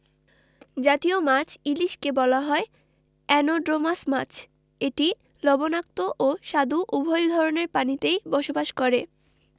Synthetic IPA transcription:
d͡ʑat̪iomat͡ɕʰiliʃkebɔlaɦɔe | ɛnoɖɾomasmat͡ɕʰ | eʈi | lɔbonak̚t̪oʔoʃad̪uʔubʱɔjd̪ʱɔɾoneɾpanit̪ejbɔʃobaʃkɔɾe

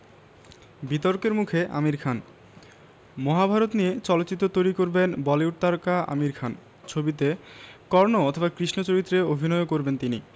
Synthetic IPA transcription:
bit̪oɾkeɾmukʰeʔa̰miɾkʰan | mɔɦabʱaɾot̪niet͡ɕɔlot̪ːt͡ɕit̪ːot̪ojɾikoɾbenbɔleuʈt̪aɾkaa̰miɾkʰan | t͡ɕʰobit̪̬ekɔɾnoɔt̪ʰobakɾiʃnot͡ɕoɾit̪ːɾeobʱinɔeokoɾbent̪ini

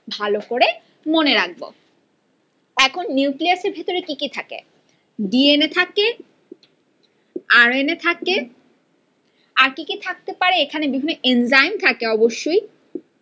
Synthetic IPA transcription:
bʱalokoɾe | moneɾaɡ̚bo̰ | ɛkʰonːiwkliaseɾbʱit̪oɾekikit̪ʰakḛ | ɖienet̪ʰake | aɾenet̪ʰake | aɾkikit̪ʰak̚t̪epaɾeekʰanebibʱinːeʔenzajmt̪ʰakeɔboʃːoj

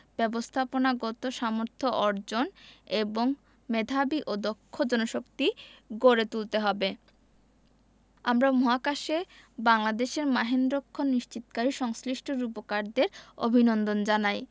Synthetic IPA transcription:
b̥ɛbost̪ʰaponaɡɔt̪oʃamoɾt̪ʰoʔɔɾd͡ʑoneboŋ | med̪ʱabiʔod̪okʰːod͡ʑɔnoʃokt̪iɡoɾet̪ult̪eɦɔbe | amɾamɔɦakaʃebaŋlad̪eʃeɾmaɦend̪ɾokʰːonːiʃt͡ɕit̪kaɾiʃɔŋsliʃʈʰoɾupokaɾd̪eɾo̰bʱinond̪ond͡ʑanaj

